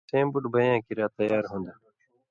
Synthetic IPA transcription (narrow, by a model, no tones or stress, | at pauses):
tẽːmbuʈbəjãːkiɾaːt̪əjaːɾɦũːnd̪aː